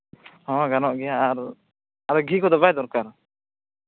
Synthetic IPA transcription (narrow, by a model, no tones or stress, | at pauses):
ɔ̃ɡanɔʔɡɛjaːɾ | aɾɡikɔd̪ɔbajd̪ɔɾkaɾ